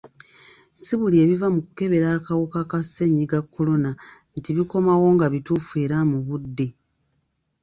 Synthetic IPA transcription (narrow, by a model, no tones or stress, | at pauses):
siβulie̞βivamukuke̞βe̞ɾaːkawukakase̞ɲiɡakːo̞lo̞na | ntiβiko̞mawo̞ŋɡaβitufue̞ːɾamuβudːe̞